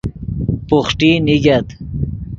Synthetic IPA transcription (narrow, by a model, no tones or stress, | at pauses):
puχʈiniɡɐt̪